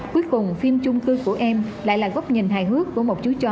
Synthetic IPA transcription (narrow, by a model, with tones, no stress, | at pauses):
ku˨˦əjkʊ˨˩wŋ͡mfi˧əmt͡ɕʊ˧ŋ͡mkɨ˧ku˧˩əʔɛ˧mla̰ː˧˨jlaː˨˩ɣɔ˦˥wk͡p̚ɲə˨˩nɦa̰ː˨jɦɨ˦˥əkːu˧˩əmo˨˩t̚t͡ɕu˨˦t͡ɕɔ˨˩